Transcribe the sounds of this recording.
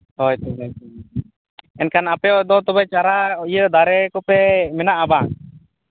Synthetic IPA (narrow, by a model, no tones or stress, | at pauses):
ɔjt̪ubat̪ | ɛnkanapɛɔd̪ɔt̪ɔbajt͡ʃaɾaijəd̪aɾɛkɔpɛmɛnaʔaba